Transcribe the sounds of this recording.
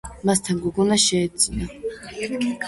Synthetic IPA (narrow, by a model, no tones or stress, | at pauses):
mast̪ʰaŋɡuɡunaʃeːt͡sʼina